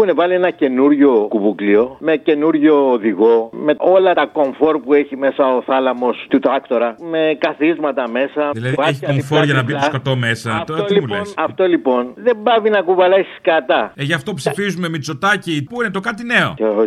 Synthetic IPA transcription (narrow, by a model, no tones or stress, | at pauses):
xunevɐlie̞nɐce̞nuɾʝo̞kuβuklio̞me̞ce̞nuɾʝo̞ːðiɣo̞me̞o̞lɐt̪ɐko̞ɱfo̞ɾpue̞çime̞sɐoθɐlɐmo̞st̪ut̪ɾɐkt̪o̞ɾɐme̞kɐθizmɐt̪ɐme̞sɐðilɐðiɐeçiɐkofoʝɐnɐbiskot̪omesɐt̪oimulḛnsɐft̪o̞lipo̞nðe̞mbɐvinɐkuvɐlesi̥skɐt̪ɐeʝɐft̪opsifizumemit͡sot̪acipuinet̪okat̪ineo̰